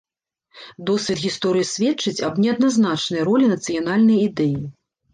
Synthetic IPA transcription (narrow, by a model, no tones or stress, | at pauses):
d̪ɔsvʲɛt̪ɣʲist̪ɔɾɨjisʲvʲɛtt͡ʂɨt͡sʲɐbnʲɛɐd̪naznat͡ʂnɐjɾɔlʲinɐt̪sɨjanalʲnɐjid̪ɛji